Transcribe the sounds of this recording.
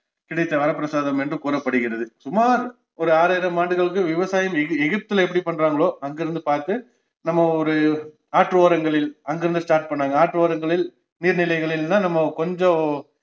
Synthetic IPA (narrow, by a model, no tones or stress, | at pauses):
kɪɽɐɪt̪ːɐʋɐɾɐpːɪɾɐsaːðɐmɛndrɯkuːɾɐpːɐɽɯɣɪɾɐðɯsʊmaːɾ | ɔɾɯaːɾaːjɪɾɐmaːɳɖɯɣɐɭɯkːɯʋɪʋɐsaːjɐmɛɣɛɣɪp̚t̪ɯlɛp̬ːɐɽipɐɳːɾaːŋɡɐɭoːɐŋɡɪɾɯnd̪ɯpaːɾt̪ɯ | nɐmːɐɔɾɯ | aːʈɾɯoːɾɐŋɡɐɭɪlɐŋɡɪɾɯnd̪ɯsʈaːɾʈ̚pɐɳːaːŋɡɐaːʈːɾɯʋoːɾɐŋɡɐɭɪl | niːɾnɪlɐɪɣɐɭɪlnaːnɐmːɐkɔɲd͡ʒɔ̃